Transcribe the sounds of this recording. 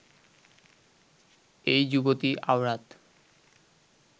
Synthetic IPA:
ejd͡ʑubot̪iʔawɾat̪

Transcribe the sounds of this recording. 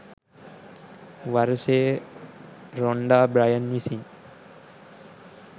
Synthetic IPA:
ʋaɾseː | ɾoɳɖaːbɾajənʋisin

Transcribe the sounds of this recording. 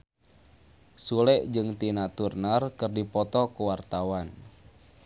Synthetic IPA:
sulɛʔd͡ʒɨŋt̪inat̪urnarkərdipɔt̪ɔkuwart̪awan

